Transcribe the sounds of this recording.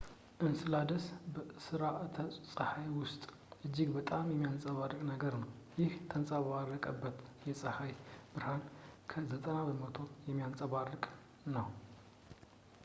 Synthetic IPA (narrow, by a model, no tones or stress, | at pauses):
ʔɨnsɨlad̪ɐsbɨsɨɾaʔt̪ʰɐt͡sʼɐħajwʊst̪ʼ | ʔɨd͡ʒːiɡbɐt̪ʼamjɛmːijant͡sʼɐβarɨkʼnɐɡɐɾnɐw | jɪht̪ʰɐnt͡sʼaβarːɐkʼɐbːɐt̪jɛsʼɐħajb̥ɨɾhankʰɐzɐt̪ʼɐnabɨmɐt̪ʰo̞jɛmːjant͡sʼɐβarːɨkʼ | nɐw